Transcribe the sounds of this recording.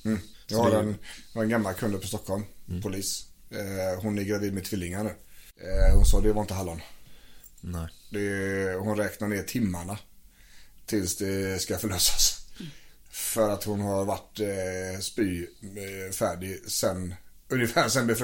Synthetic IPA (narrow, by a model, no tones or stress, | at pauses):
m̩ː | jɑhaɾɛnhaɾɛnɡamːalkʰɵnd̪əɾpʰɔst̪ɔkʰːɔlmpʰʊliːs | hʊnæɾɡɾaviːd̪mɛt̪ʰvɪlːɪŋaɳʉ̟ː | hʊnsɑːd̪ɛvaɾɪnt̪əɦalːɔn | d̪ɛhʊnɾɛːknaɾɳeːʈ̪ʰɪmːaɳa | t̪ʰɪlsd̪ɛskafœɭøːsḁs | fœɾat̪hʊnɦaɾvaʈːspyː | fæːɖɪsɛn | ɵnjəfæːɾsɛnb̪ɛf